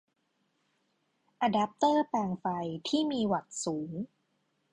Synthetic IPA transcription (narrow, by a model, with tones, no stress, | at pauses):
ʔa˧daː˦˥p̚t̪ɤː˥˩pɛː˧˩ŋfa˧jt̪ʰiː˥˩miː˧wa˨˩t̪̚suː˩˦ŋ